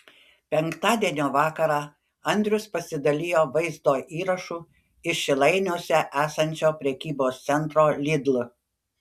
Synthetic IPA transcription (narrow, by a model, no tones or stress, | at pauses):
pʲɛŋkt̪ɑːd̪ʲiɛnʲoːʋɑːkɐɾɑː | ɐnʲd̪ʲɾʲʊspɐsʲɪd̪ɐlʲɪːjoːʋɐɪzd̪oːʔiːɾɐʃu | ɪʃʲɪlˠɐɪnʲoːsʲɛʔæːsɐnʲt͡ʃʲoːpʲɾʲɛkʲiːboːst̪sʲɛnt̪ɾoːlʲɪd̪lˠ